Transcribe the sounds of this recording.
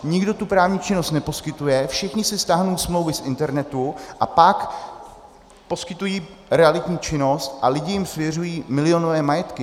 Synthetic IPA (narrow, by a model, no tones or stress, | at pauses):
ɲɪɡdo̞t̪upɾaːvɲiːt͡ʃɪno̞st̪nɛpo̞skɪt̪ujɛfʃɪxɲɪsɪst̪aːɦnowsmlowvɪsʔɪnt̪ɛɾnɛt̪uʔa̰pak | po̞skɪt̪ujiːɾɛalɪt̪ɲiːt͡ʃɪno̞st̪ʔalɪɟɪjɪmsvjɛr̝ujiːmɪlɪo̞novɛːmajɛt̪kɪ